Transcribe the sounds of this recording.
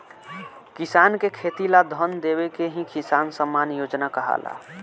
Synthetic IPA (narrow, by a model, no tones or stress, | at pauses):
kisankekʰet̪ilad̪ʱənd̪ebekeɦĩkisansəmːaːnjoːd͡ʒnakəɦa̰la̰